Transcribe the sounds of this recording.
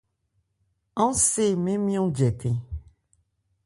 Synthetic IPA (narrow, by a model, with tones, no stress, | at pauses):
ɔ̃˦se˦˨mẽ˦mĩ˦õ˦d͡ʒɛ˨t̪ẽ˨